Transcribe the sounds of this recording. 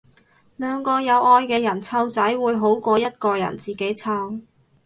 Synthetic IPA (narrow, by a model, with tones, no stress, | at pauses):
lœː˨˧ŋkɔː˧jɐ˨˧wɔː˧jkɛː˧jɐ˨˩nt͡sʰɐ˧˥wt͡sɐ˨˥jwuː˨˧jɦo˨˥wkɔː˧jɐ˥t̚kɔː˧jɐ̰˨˩nt͡siː˨ke˨˥jt͡sʰɐ˧w